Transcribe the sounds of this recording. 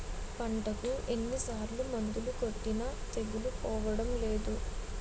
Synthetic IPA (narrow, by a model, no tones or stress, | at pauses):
pɐɳʈɐkuʔe̞nːisaːɾlumɐnd̪ulukoʈːinɐt̪e̞ɡulupɔːʋɐɽɐmleːd̪u